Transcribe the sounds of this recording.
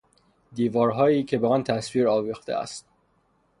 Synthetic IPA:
d̪iːvɒːɾɦɒːjiːcʰe̞beɒːnt̪ʰæsviːɾɒːviːxt̪ḛæ̰st̪̚

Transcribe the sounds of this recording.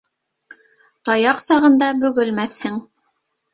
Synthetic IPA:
t̪ɑjɑqsɑʁɤ̆nd̪ɑbɵ̆ɡɘ̆lmæθhɘŋ

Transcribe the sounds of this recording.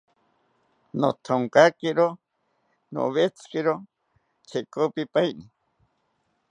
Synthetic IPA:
no̰t̪ʰoŋkakeɾo | no̰βet͡sʰkiɾo | t͡sʰekopipajni

